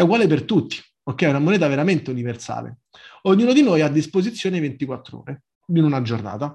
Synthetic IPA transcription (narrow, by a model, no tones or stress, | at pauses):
ɛuɡwaːlepert̪ut̪ːi̥ | okːɛunamonɛːt̪̬aveɾament̪euniversa̰ːlḛ | oɲːuːnod̪inojad̪ːispozit̪sːjoːnevent̪ikwat̪ːɾo̰ːɾe | d̪inunad͡ʒorna̰ːt̪a